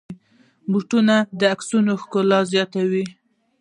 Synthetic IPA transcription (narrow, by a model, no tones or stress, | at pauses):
buʈunad̪əaksunoxkʊlɑzjɑt̪awi